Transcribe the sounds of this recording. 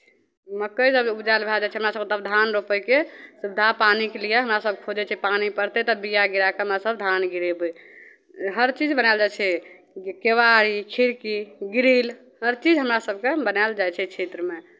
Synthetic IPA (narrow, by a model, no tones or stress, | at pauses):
məkːəjd͡ʒəbud͡ʒalbʱeld͡ʒat͡ʃʰɛɦəmɾasəbket̪əbd̪ʱanɾopəjkesubd̪ʱapanikelijaɦəmɾasəb̚kʰod͡ʒɛt͡ʃʰɛpanipəɾt̪et̪ɔbijaɡiɾakeɦəmɾasəbd̪ʱanɡiɾebə | ɦəɾt͡ʃid͡ʒbənald͡ʒajt͡ʃʰɛ | keʋaɾikʰiɾkiɡiɾil | həɾt͡ʃid͡ʒɦəmɾasəb̚ʱkebənaɪld͡ʒajt͡ʃʰɛt͡ʃʰet̪ɾəme